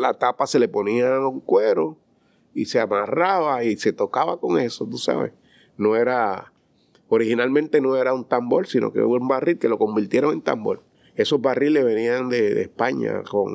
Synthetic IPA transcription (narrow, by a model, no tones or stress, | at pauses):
lat̪apase̞le̞po̞niauŋkwe̞ɾo̞ | iseamaraβaise̞t̪o̞kaβako̞ŋe̞so̞t̪usa̰βḛs | no̞e̞ɾa | oɾihinalmẽnt̪e̞no̞e̞ɾaunt̪ambo̞lsino̰kḛumbarilke̞lo̞ko̞mbiɾt̪jeɾo̞ŋent̪a̰mbo̞̰l | e̞so̞zβarileβe̞niand̪e̞ðḛspaɲa̰ko̞̰ŋ